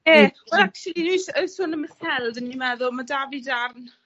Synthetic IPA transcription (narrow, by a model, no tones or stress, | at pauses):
jɛːwɛlak̚tulˠinujsəsʊnəməθɛlˠdənːimɛðʊlˠmadavɪdarn